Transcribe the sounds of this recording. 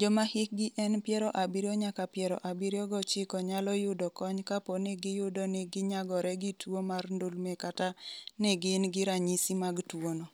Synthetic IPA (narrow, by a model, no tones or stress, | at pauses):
d͡ʒɔmahɪk̚ɡɪʔɛnpjɛɾɔʔabiɾijɔɲakapjɛɾɔ̰ʔabiɾjɔɡɔt͡ʃɪkɔɲalɔjʊdɔkɔɲkaponeɡɪjʊdoneɡɪɲaɡɔɾɛɡitʰwomarndolmɛkatanɛɡɪnɡɪɾaɲisimaɡtwonɔ